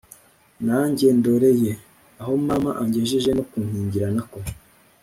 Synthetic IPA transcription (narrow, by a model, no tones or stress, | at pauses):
naɲɟe̞ndo̞ɾe̞je̞ | aɦo̞maːmaʔaɲɟeʒeʒe̞no̞kunhiːɲɟiɾanako